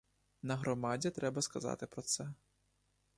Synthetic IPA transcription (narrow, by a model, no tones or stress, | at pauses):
nɐɣɾɔmad͡zʲɛt̪ɾɛbɐskɐza̰t̪ɪpɾɔt̪sɛ